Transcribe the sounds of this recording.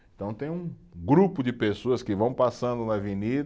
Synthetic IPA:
ẽt̪ɐ̃w̃t̪ẽj̃ũɡɾupʊd͡ʒɪpesoɐskɪvɐ̃w̃pasɐ̃nd̪ʊnɐvinid̪

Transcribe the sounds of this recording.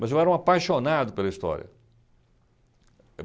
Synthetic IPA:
mɐzewɛɾɐw̃apajʃonad̪ʊpelɐist̪ɔ̰ɾʲḭɐ̰

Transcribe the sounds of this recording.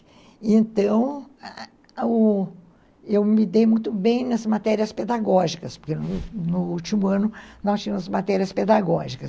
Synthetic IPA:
ẽnt̪ɐ̃w̃ | ʊ | ewmid̪ejmũj̃t̪ʊbẽj̃nɐzmat̪ɛɾiɐsped̪aɡɔʒikɐspo̥ɾkenʊnʊut͡ʃimʊɐ̃nʊnɔst͡ʃĩmʊzmat̪ɛɾiɐsped̪aɡɔʒikɐs

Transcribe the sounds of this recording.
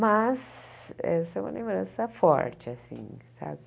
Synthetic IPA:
mɐzɛsɐɛũmɐlẽmbɾɐ̃sɐfɔ̰ɾt͡ʃɪasḭ̃sa̰bɪ

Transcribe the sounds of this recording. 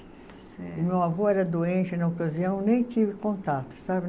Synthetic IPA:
mewavoɛɾɐd̪oẽnt͡ʃɪnɐokaziɐ̃w̃nẽj̃t̪ivɪkõnt̪at̪ʊ̥sabɪ

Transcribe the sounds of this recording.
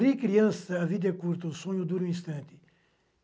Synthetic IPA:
ɾikɾiɐ̃sɐːvid̪ɐkuɾt̪ɐusõɲud̪uɾuĩst̪ɐ̃nt̪i̥

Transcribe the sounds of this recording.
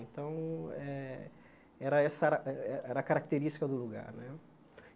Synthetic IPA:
ẽnt̪ɐ̃w̃ɛ | ɛɾɐɛsɐɾɐʔɛɛɛɾɐkaɾak̚t̪eɾisʃt͡ʃi̥kɐd̪ʊluɡa̰ɾnɛ

